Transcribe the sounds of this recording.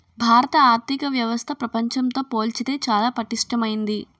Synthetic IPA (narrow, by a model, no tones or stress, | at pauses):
bʱaːɾɐt̪ɐaːɾt̪ʰikɐʋjɐʋɐst̪ʰɐpɾɐpɐɲt͡ʃɐmt̪o̞ːpo̞ːlt͡ʃid̪e̞ːt͡ʃaːlaːpɐʈiʂʈɐmɐjind̪i